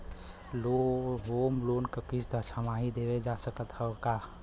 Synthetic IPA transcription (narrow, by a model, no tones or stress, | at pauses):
loɦoːmloːnkəkisd̪ʱəʃamaɦid̪eʋed͡ʒasəkət̪həka